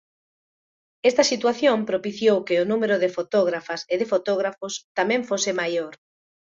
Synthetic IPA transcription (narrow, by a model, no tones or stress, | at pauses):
ɛst̪ɐsit̪waθjompɾopiθjowkɪʊnumeɾʊðɪfot̪ɔɣ̞ɾafaseðɪfot̪oɣɾafʊst̪amɛ̃ɱfosɪmajoɾ